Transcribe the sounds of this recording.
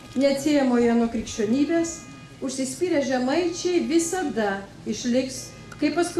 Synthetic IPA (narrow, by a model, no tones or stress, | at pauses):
nʲɛɐt̪ʲsʲeːjɛmoːjɛnokɾʲiːkʃʲt͡ʃʲoːnʲiːbʲeːs | ʊʃʲsʲɪsʲpʲiːɾʲɛʒʲɛmɐɪt͡ʃʲɛɪʋʲɪsɐd̪ɐ | ɪʃʲlʲɪks | kɐɪppɐskʊ